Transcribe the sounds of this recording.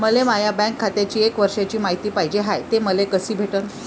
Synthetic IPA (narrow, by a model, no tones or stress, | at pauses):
məlemajabɛ̃ŋkʰːat̪jat͡ɕiːekʋəɾʂjat͡ɕiːmaɦit̪iːpaɦid͡ʑeɦajt̪eməlekəsiːbʱeʈən